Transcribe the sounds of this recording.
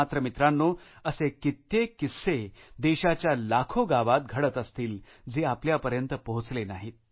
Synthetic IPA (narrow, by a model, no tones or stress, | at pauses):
at̪ɾəmit̪ɾanːoːəsekit̪ːekised̪eɕat͡ɕjalakʰoɡaʋat̪̚ɡʱəɽət̪əst̪iːl | d͡zeapljapəɾjənt̪əpəɦut͡slenaɦiːt̪̚